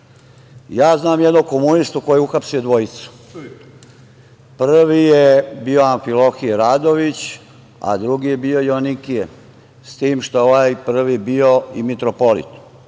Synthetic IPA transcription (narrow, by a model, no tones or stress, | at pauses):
jaːznaːmjed̪noko̞munist̪ukojeuxapsije̞d̪ʋo̞it̪su̥ | pr̩ʋijebio̞aɱfilo̞xijeɾaːd̪o̞ʋit͡ɕ | a̰d̪ɾuɡije̞bio̞jonikije | st̪iːmʃt̪ooʋaːjpr̩ʋiebio̞imit̪ɾopo̞lḭt̪